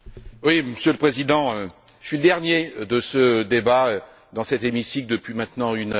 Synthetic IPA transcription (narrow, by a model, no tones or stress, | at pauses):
wiməsjøləpχezid̪ɑ̃øsɥiləd̪ɛʁnjed̪əsəd̪ebaø | d̪ɑ̃sɛt̪emisik̚d̪əpɥimɛ̃t̪nɑ̃yn